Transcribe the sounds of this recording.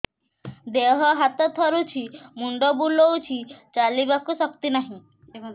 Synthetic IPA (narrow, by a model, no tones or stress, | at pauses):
d̪eɦɔɦat̪ɔt̪ʰɔɾut͡ʃʰimuɳɖɔbulɔwt͡ʃʰit͡ʃalibakusɔkt̪inaɦĩ